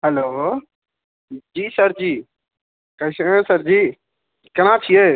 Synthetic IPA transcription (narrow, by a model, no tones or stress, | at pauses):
ɦɛloː | d͡ʒiːsəɾd͡ʒiː | kəsẽsəɾd͡ʒiː | kəɾ̃ãːt͡ʃʰieː